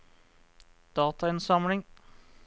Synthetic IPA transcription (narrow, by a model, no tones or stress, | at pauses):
d̪̥ɑːt̪ɑɪnsɑmlɪŋ